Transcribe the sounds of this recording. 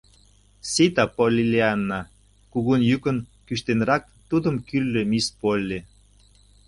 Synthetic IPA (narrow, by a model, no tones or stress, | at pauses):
sit̪ɑpolʲilʲeɑnːɑ | kuɣunjykə̆nkyʃt̪enɾɑk̚t̪ud̪ə̆mkyrlømispolʲːe